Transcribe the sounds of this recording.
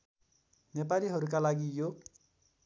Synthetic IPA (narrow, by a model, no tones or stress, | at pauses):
nepaliɦʌɾuk̬alaɡijo